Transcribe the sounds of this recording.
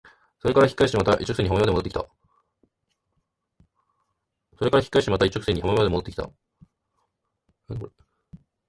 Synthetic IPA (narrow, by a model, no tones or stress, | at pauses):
so̞ɾe̞kaɾaçʲi̥kːaiɕi̥t̪emat̪aʔḭt͡ɕːok̟seɲihammad̪eot̪ːeki̥t̪a̰ | so̞ɾe̞kaɾaçi̥kːaiɕt̪emat̪ait͡ɕːok̟se̞ɲ̟ihamemademoot̪ːeki̥t̪a̰